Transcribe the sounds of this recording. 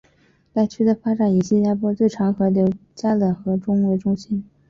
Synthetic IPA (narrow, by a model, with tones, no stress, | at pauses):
t̪a˥˩ɪt͡ɕʰy˥d̪ə˨fa˥ʈ͡ʂa˨˩˦ni˨˩ɕi˥˧nt͡ɕja˥pwɔ˥t͡swe˥˩ɪʈ͡ʂʰɑ˧˥ŋxɤ˧˥ljo˧˥ʊt͡ɕja˥lɤ˨˩xɤ˧˥ʈ͡ʂʊ˥ŋwe˧˥˩ʈ͡ʂʊ˥ŋɕi˥n